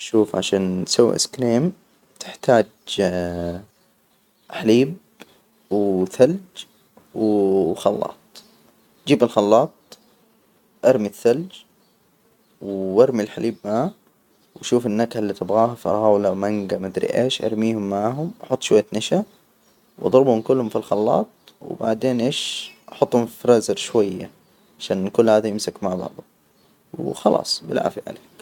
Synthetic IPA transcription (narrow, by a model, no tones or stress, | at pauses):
ʔʃuːfʕa̰ʃaːnsawːḭʔɪ̰skɾiːm | t̪ʰɪ̥ħt̪aːd͡ʒ | ħaliːb | wθald͡ʒ | wxɑlːɑ̰ːt̪̚ˤ | d͡ʒiːbalxɑlːɑːt̪̚ˤ | ʔɑɾˤmiθːald͡ʒ | wʔɑɾˤmilħalʔiːbmaʕ | waʃuːfɪnːakhalːiːt̪ɪbɣaːhafiʔɑ̰ɣaːwlamaŋɡamad̪ɾḭʔḛːʃʔɑ̰ɾˤmiːhʊmːaʕɦʊmʔɑħʊt̪ˤːʃwajːat̪naʃa | wʔɑ̰d̪ˤɾbhʊmkʊlːhʊmfilxɑlːɑ̰ːt̪̚ˤ | w̰baʕd̪eːnʔeːʃʔɑħʊt̪ˤːhʊmfɾɑzɪɾʃwajːa̰ | ʕaʃaːnkʊlːhaːðajɪmsakmaʕbɑ̰ʕd̪ˤʊ | wxɑlʔɑ̰ːsˤbɪ̰lʕa̰ːfiʕa̰leːk